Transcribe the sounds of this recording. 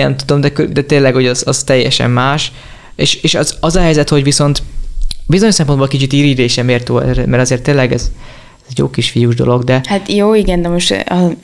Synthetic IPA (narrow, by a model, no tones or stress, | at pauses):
nɛ̰mt̪ud̪o̞md̪ɛkød̪ɛt̪eːlɛɡho̞ɟɒzɒz̥t̪ɛjːɛ̰ʃɛ̰mːaːʃ | eːʃeːʃɒzɒzɒɦɛjzɛt̪ho̞ɟʋiso̞nt̪bizoɲoʃsɛmponbolkit͡ʃit̪iːɾiːɾeːʃɛmeːrt̪uːɛ̰ɾmɛɾɒzeːrt̪ːeːnlɛɡɛz | zɛɟjo̰ːkiʃfijuʒd̪o̞̰lo̞ɡd̪ɛhat̪joːiɡɛnd̪ɛmo̞ʃt̪ɒ